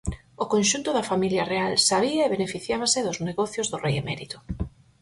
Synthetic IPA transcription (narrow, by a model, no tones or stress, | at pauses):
ʊkonʃunt̪ʊðɐfamiljɐrealsaβ̞iɐeβenefiθjaβasɪðʊzneɣɔθjozðʊrejemɛɾit̪ʊ̥